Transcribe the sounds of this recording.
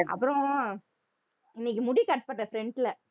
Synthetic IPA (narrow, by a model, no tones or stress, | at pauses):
ɐ̰pːɯɾõ | ɪnːɪkːɯmʊɽikɐʈːpːɐʈːɐfɾɛɳɖɪlɐ